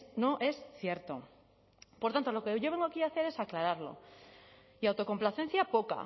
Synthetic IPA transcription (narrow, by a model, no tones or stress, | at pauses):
no̞ʔe̞sθje̞ɾt̪o̞̰ | poɾt̪ant̪o̞lo̞keʝoβe̞ŋɡoakiaθe̞ɾe̞saklaɾaɾlo̞̰ | iawt̪o̞ko̞mplaθe̞n̟θjapoka̰